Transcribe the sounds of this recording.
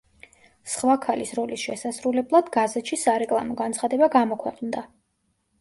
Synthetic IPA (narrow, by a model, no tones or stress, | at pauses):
sχwakʰalisɾɔlisʃɛsasɾulɛblˠad̪ɡazɛt̪ʃisaɾɛkʼlˠamɔɡant̪sχad̪ɛbaɡamɔkʰwɛqʼnd̪a